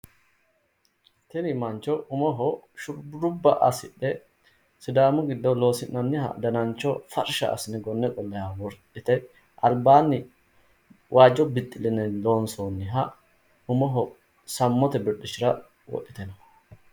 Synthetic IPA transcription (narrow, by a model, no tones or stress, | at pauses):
t̪ɪnɪmɐnt͡ʃːɔʊmɔɦɔʃʊɾbɾʊbːɐʔɐsɪɗɛ | sɪd̪aːmʊɡɪd̪ːɔlo̞ːsɪnːɐnːɪhɐ̰d̪ɐnɐnt͡ʃːɔfɐɾʃɐ̰ɐ̰sɪnɪɡɔnːɛkʼɔlːɐjaːwɔɾtʼːɪt̪ɛ | ʔɐlbaːnːɪ | wʔaːd͡ʒːɔbɪt̪ʼːɪlɪnɛloːnsoːnːɪɦɐ | ʊmɔɦɔ | sɐmːɔt̪ɛbɪɗɪʃɪɾɐ | wɔ̰ʔːɪt̪ɛnɐ